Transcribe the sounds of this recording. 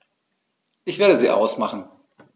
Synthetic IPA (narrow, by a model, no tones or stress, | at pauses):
ʔɪçv̥eːɐɾəziːʔa̰ʊsmaχn̩